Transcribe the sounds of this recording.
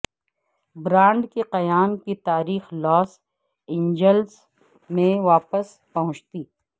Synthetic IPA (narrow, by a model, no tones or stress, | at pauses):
bɾãːɳɖkeqɐjaːnkit̪aːɾiːxlɔːs | ɪ̃ɲd͡ʒəls | mẽʋaːpəs | pɐɦʊ̃t͡ʃt̪iː